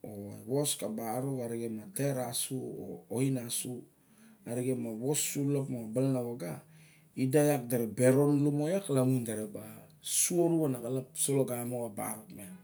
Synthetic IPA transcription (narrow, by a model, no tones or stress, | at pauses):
oewo̞skabaɾokaɾiɡemateɾasuo̰oinasu | aɾiɡemaβosːulokmabalnawoɡa | idajak̚daɾebe̞ɾo̞nlumojaklaŋundaɾeba | suoɾuanakalapsoloɡamoaba̰ɾokmen